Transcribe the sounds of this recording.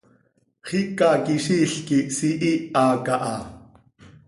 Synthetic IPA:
χikɑkiʃiːɬkisiʔiɑːkɑʔɑ

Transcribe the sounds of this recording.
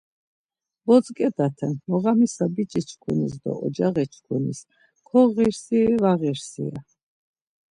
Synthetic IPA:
vɔt͡sʼkʼɛd̪at̪ʰɛnmɔʁamisabit͡ʃʼit͡ʃʰkʰunisd̪ɔ̰ɔd͡ʒaʁɛt͡ʃʰkʰunḭs | kʰɔʁiɾsivaʁiɾsḭa̰

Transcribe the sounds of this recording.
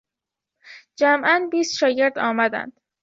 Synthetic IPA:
d͡ʒæmʔænbiːst̪ʃɒːɟe̞ɾd̪ɒːmæd̪æ̰nd̪̥

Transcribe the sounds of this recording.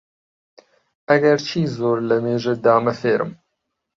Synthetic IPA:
ɐɡɐɾt͡ʃʰiːzoːɾləmeːʒed̪aːmɐfeːɾɨ̰m

